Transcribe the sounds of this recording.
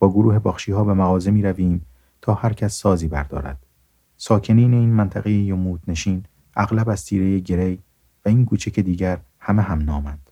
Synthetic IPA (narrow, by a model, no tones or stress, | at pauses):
b̥ɒːɡoɾuːhe̞bɒːxʃiːhɒːbe̞mæɣɒːzemiːɾæviːm | t̪ʰɒːhæɾcʰæsːɒːziːbæɾd̪ɒ̰ːɾæ̰d̪̥ | sɒːcʰe̞niːne̞iːnmænt̪ʰæɣejejomuːt̪ne̞ʃiːn | ʔæɣlæbæzt̪ʰiːɾe̞jeɟe̞ɾej | væiːnkʰuːt͡ʃʰæcʰe̞d̪iːɟæɾ | hæmeɦæmnɒːmæd̪̥